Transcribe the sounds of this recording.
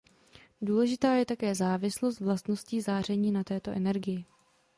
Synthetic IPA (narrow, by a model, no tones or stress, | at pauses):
duːlɛʒɪt̪aːjɛt̪akɛːzaːvɪslo̞st̪vlast̪no̞sciːzaːr̝ɛɲiːnat̪ɛːt̪o̞ʔɛnɛɾɡɪjɪ